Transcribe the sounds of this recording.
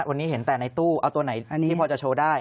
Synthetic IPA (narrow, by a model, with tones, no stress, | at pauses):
wa˧nːiː˦˥ɦe˩˦nt̪ɛː˨˩na˧jt̪uː˥˩ʔa˧wt̪u˧na˩˦jiː˥˩pʰɔː˧t͡ɕa˨˩t͡ɕʰoː˧daː˥˩j